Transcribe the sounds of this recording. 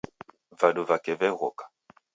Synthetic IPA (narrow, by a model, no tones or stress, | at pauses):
vaduvakɛvɛɣɔkḁ